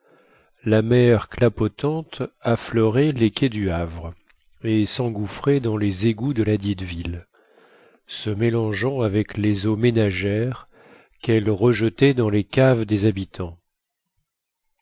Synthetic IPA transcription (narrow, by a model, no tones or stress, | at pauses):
lamɛʁklapɔt̪ɑ̃t̪aflœʁɛlekʲɛd̪yavʁ | esɑ̃ɡufχɛd̪ɑ̃lezeɡud̪əlad̪id̪vil | səmelɑ̃ʒɑ̃avɛklezomenaʒɛʁ | kɛlʁəʒət̪ɛd̪ɑ̃lekavd̪ezabit̪ʰɑ̃